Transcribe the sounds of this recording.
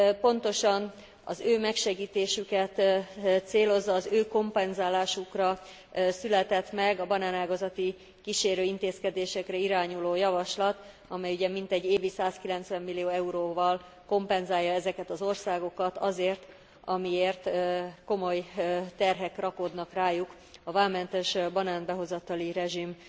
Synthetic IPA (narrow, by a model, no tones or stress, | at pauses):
po̞n̪t̪o̞ʃɒn | ɒ̰zøːmɛkʃɛɡiːt̪eːʃykɛt̪t̪seːlo̞zːɒːzøːko̞mpɛnzaːlaːʃukrɒ | sylɛt̪ɛt̪mɛɡɒbɒnaːnaːɡɒzɒt̪i | kiʃeːɾøːint̪eːskɛd̪eːʃɛkrɛiɾaːɲuloːjɒvɒʃlɒt̪ | ɒmɛjuɟɛmint̪ɛɟːeːvisaːskilɛnt̪sʋɛmːilːijoːɛuɾoːvɒl | ko̞mpɛnzaːjːɒɛzɛkɛt̪ɒzo̞rsaːɡo̞kɒt̪ɒzeːrt̪ | ɒmieːrt̪ko̞mo̞jt̪ɛrɦɛkrɒkod̪nɒkraːjuk | ɒvaːmɛnt̪ɛʃbɒnaːnbɛɦo̞zɒt̪ɒliɾɛʒim